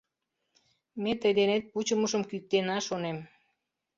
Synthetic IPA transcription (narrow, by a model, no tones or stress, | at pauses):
met̪əjd̪enet̪̚put͡ɕəməʃəmkyk̚t̪enɑʃonem